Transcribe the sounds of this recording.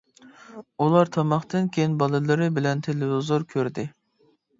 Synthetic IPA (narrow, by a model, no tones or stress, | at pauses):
ulˠɑɾt̪ʰɑmɑχt̪ɨnkʲʰejinbɑlˠɨlˠɨɾɨbɪlɛnt̪ʰelɪvɪzoɾkʲʰøɾd̪ɪ